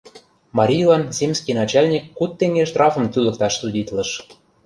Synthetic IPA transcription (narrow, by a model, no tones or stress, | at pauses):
mɑɾʲijlˠɑnzemʲsʲkʲinɑt͡ɕɑlʲnʲikːut̪ːeŋɡeʃt̪rɑfɤ̆mt̪ylə̆k̚t̪ɑʃsudʲit̪lɤ̆ʃ